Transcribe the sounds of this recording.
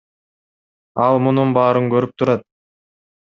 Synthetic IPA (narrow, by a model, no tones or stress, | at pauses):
ɑlˠmununbɑːɾɯŋkøɾyp̚t̪ʰuɾɑt̪̚